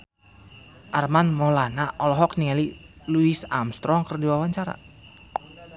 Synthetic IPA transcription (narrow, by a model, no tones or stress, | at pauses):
ʔarmanmɔlanaʔɔlɔɦɔkniŋaliluisa̰mst̪ɾɔŋkərdiwawaɲt͡ʃaɾa̰